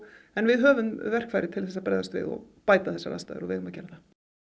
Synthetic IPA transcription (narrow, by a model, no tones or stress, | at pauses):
ɛnvɪðɦœːvʏmvɛr̥kfaːjɾɪt̪ʰɪlθɛsːapɾa̰jðast̪vɪ̰ðɔ̰ɣ | paːjt̪aθɛsːa̰la̰st̪aðʏ̰ɾɔvɪ̰ðʏmaðcɛːɾaθa